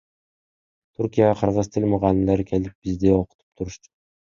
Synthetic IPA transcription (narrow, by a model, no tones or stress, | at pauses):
t̪ʰuɾkʲijaqʰɑɾʁɑzt̪ʰɪlʲmʊʁɑlɪmlæɾɪkʲʰelɪp̚b̥ɪzd̪eoqʰʊ̥t̪ʰu̥p̚t̪ʰʊɾʊʃt̪ʊ̥